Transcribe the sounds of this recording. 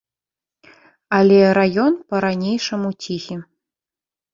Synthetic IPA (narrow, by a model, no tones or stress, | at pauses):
alʲɛɾajɔnpɐɾanʲejʂɐmut͡sʲixʲi